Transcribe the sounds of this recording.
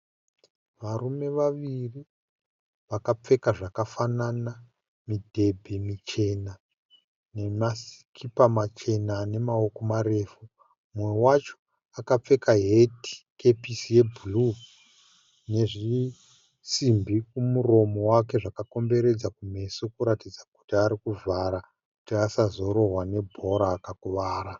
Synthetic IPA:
ʋarume̞ʋaʋiri | ʋakap͡fe̞kaʐakafanana | midʱe̞bʱemit͡ʃe̞na | ne̞masi̥kʰipamat͡ʃe̞nane̞mao̞ko̞mare̞ːfu | mwe̞wat͡ʃo̞̥ | akap͡fe̞kaɦeti̥ke̞pisiebʱulu | ne̞ʐi | simbʱik̚umuro̞mo̞wake̞ʐakako̞mbe̞ɾe̞d͡zakume̞sokuɾatid͡zaku̥tiaɾikuvʱaɾa | ku̥tiasazo̞ɾo̞ɦwane̞bʱo̞ɾaːkakuʋaːɾa

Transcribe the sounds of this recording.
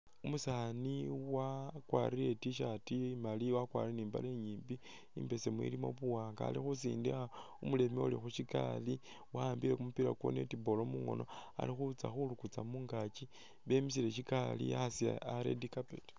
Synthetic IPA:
umusaniwakwaɾile̞tiʃatimaliwakwa̰ɾieniːmba̰leɲiːmbi | imbe̞se̞mwḭlimo̞̰βuwaːŋɡa̰ːlixusḭːndixa | umule̞miulixuʃika̰li | waambile̞kumupiɾakwo̰netibo̞lo̞muŋo̞̰no̞a̰lixut͡saxulukut͡samuːŋɡat͡ʃi | βe̞mis̬ile̞ʃ̬ikalḭasia̰aɾḛdikapḛt

